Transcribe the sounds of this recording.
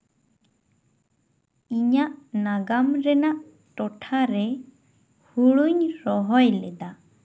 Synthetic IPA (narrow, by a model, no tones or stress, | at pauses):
iɲaʔnaɡamɾɛnaʔ | ʈɔʈʰaɾɛ | huɽuɲɾɔɦɔjlɛd̪a